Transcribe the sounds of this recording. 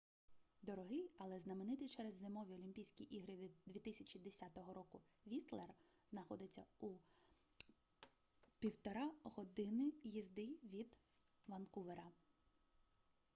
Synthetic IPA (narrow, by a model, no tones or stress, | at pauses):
d̪ɔɾɔɦɪjɐlˠɛznɐmenɪt̪ɪt͡ʃɛɾɛzːemɔʋʲiɔlʲimʲpʲijsʲkʲiʔiɦɾɪʋʲid̪ʋʲit̪ɪsʲɐt͡ʃʲid̪esʲat̪ɔɦɔɾɔkʊʋʲist̪lˠer | znɐxɔd̪ɪt͡sʲːɐu | pʲiwt̪ɔɾɑɦɔd̪ɪnɪjizd̪ɪʋʲid̪ʋɐnkuʋeɾɐ